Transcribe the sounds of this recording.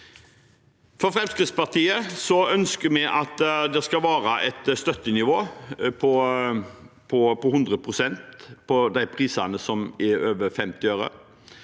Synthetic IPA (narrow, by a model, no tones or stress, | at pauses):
fɔɾfʁɛmskʁɪt̪spɑʁt̪iːəsɔœnskəɾmɛʔɑt̪d̪ɛskɑʋɑːɾəʔɛt̪st̪œt̪ːənɪʋoːpʰɔ | pʰɔpɔhʉnd̪ʁəpʰʁʊsɛnt̪pʰɔd̪æɪpʰʁiːsɑnəsɔmɪøːʋəɾfɛmt̪ɪøːɾə̰